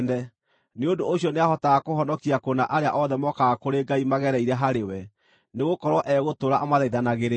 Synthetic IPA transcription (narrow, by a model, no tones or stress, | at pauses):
ndɛ | neondoːɕiɔneaɦɔtaɣakohɔnɔkiakonaʔaɾea̰ʔɔðɛmɔkakoɾeɡaimaɣɛɾɛiɾɛɦaɾewɛ | neɣokɔɾwɔʔɛɣotoɾaʔamaðaiðanaɣeɾe